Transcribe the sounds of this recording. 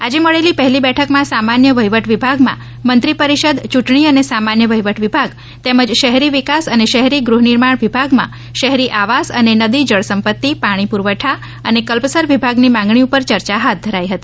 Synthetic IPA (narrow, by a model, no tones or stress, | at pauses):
ad͡ʒeməɭelipəɦɛlibɛʈʰəkmãsamanjəʋəjʋəʈʰʋibʱaɡmã̰ | mənt̪ɾipəɾiʃəd̪t͡ʃuʈɳ̃iənesamanjəʋəjʋəʈʰʋibʱaɡ | t̪eməd͡ʒʃəɦɾiʋikasəneʃəɦɾiɡɾuɦniɾmaɳʋibʱaɡmã̰ | ʃəɦɾiʔaʋasə̰nenəd̪id͡ʒəɭsəmpət̪ːipaɽ̃ipuɾʋəʈʰa | ənekəlpəsəɾʋibʱaɡnimãŋ̆ɡɳ̃iupəɾt͡ʃəɾt͡ʃaɦat̪̚d̪ʱəɾajɦət̪i